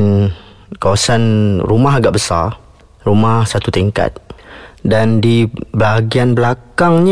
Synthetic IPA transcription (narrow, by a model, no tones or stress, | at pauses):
n | kawasanrumaɦaɡaʔbəsa̰r | rumahsat̪ut̪iŋka̰t̪̚dandibəaɡianbəlakaŋɲ